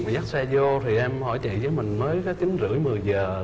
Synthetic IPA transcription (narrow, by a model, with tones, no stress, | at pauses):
zaː˦˥t̚sɛ˧zo˧t̪ʰi˨˩ʔɛ˧mhɔ̰˧˩jt͡ɕḭ˧˨zəː˨˦jmï˨˩ŋ̟məː˨˦jkaː˨˦t͡ɕï˨˦ŋ̟zɨ̰˧˥əjmɨ˨˩əjzəː˨˩